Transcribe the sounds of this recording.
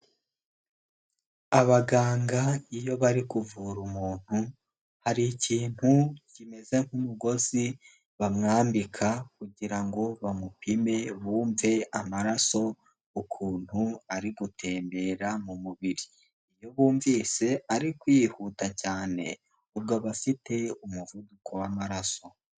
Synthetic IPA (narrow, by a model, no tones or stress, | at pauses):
aβaɡaːŋɡaijo̞βaɾikuvuɾumuːn̥hu | haɾiːciːn̥hucime̞ze̞ŋ̥humuɡo̞zi | βamŋaːmbikʰakuɟiɾaŋɡo̞βamupʰime̞βuːɱve̞amaɾaso̞ | ukʰuːn̥huaɾiɡutʰe̞ːmbe̞ɾamumuβiɾiː | joβuːɱviːse̞aɾikwiːhutacaːne̞̰ | ubɡoβafite̞umuvudukʰo̞wamaɾaso̞